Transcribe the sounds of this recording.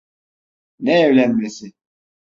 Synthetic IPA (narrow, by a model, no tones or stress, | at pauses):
nɛːvlʲænmesɪ